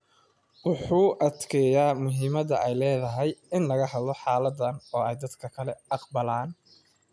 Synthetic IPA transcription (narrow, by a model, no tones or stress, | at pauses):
wʊħuːʔɐd̪kʰɛːjaːmʊɦiːmɐðɐʔɛjlɛːðɐɦɛjɪnlɐɣɐɦɐd̪lɔħɑːlɐd̪ɐnɔːɛjd̪ɐd̪kʰɐkʰɐlɛʔɑqbɐlaːn